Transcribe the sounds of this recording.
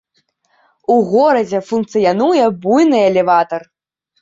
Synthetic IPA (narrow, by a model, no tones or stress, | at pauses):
uɣɔɾɐd͡zʲɛfunkt̪sɨjanujɛbujnɨɐlʲɛvat̪ɐr